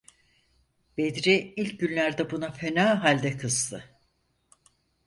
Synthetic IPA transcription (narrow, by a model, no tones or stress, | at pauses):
b̥ed̪ɾiilʲcɟynlʲæɾd̪ɛbunafenaːɦalʲd̪ɛkʰɯzt̪ʰɯ